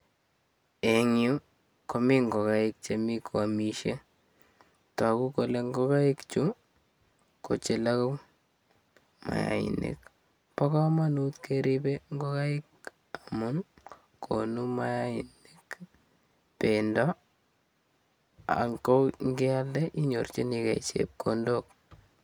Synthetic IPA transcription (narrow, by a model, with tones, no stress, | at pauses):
e˨ŋju˦ | ko˨mi˦ŋɡo˨kaɪk̚t͡ʃemi˦kʰoa˨mi˦ʃe | ta˨ku˦ko˨le˦ŋɡo˦ka˦ɪ˦kt͡ʃu˦ | ko̰˨t͡ʃɪ˨la˦ko˦ | ma̰˨ja̰ɪ̰˨nḛ˨k | pɔ˦kɔ˦ma˦nu˦t̪keɾi˦be˦ŋɡo˦ka˦ɪ˦k | amʊ˦n | kʰonu˦ma˦jaɪnik | pendɔ | a̰˨ŋko˦ŋɡɪ˦a˦ldɛ˦ʔi˦ɲo˨rt͡ʃe˦nika̰˨t͡ʃḛp̚kondok̚